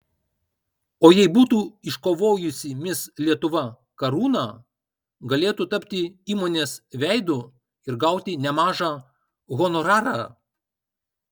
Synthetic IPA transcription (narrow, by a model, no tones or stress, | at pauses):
oːjɛɪbuːt̪uːɪʃkoːʋoːjʊsʲɪmʲɪslʲiɛt̪ʊʋɐ | kɐɾuːnɑː | ɡɐlʲeːt̪uːt̪ɐpʲt̪ʲɪiːmoːnʲeːsʋʲɛɪd̪u | ɪɾɡɐˑʊt̪ʲɪnʲɛmɑːʒɑː | ɣɔnɔɾɑːɾɑ̰